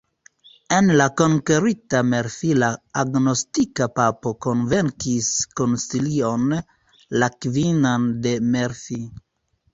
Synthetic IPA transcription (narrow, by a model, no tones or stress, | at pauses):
e̞nlako̞ŋkeɾitameɾfilaːɡno̞stikapapo̞ko̞nve̞ŋkisko̞nsilio̞n | lakvinande̞meɾfi